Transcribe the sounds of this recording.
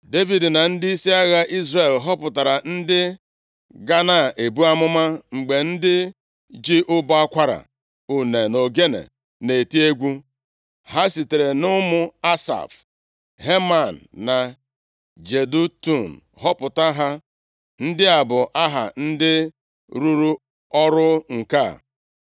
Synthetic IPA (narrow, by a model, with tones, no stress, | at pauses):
de˦vi˨dna˨n̩˦di˦si˦a˦ɣa˦ʔi˦zre˨lɦɔ˦pʊ˨ta˨ɾa˨n̩˦dɪ˦ | ɡa˦na˦˨ʔe˨bu˦a˦mʊ˦ma˦ŋ͡m̩˨ɡ͡be˨n̩˦dɪ˦ | d͡ʒi˦ʔʊ˦ba˦a˦kʷa˦ɾa̰˨ | u˨ne˨no˨ɡe˦nḛ˨ | ne˨ti˦e˦ɡʷu˦ | ha˦si˨te˨ɾe˨nʊ˦mʊ˦a˦sa̰˨f | ɦe˦ma˨n̩ː˨a˨ | d͡ʒe˨du˦tu˦˨n̩˨ | ɦɔ˦pʊ˨ta˦ɦa˦ | n̩˦dɪ˦a˨bʊ˨ʔa˦ɦa̰˨n̩˦dɪ˦ | ɾu˦ɾu˦ | ɔ˦ɾʊ˦ŋ̩˨ka˦˨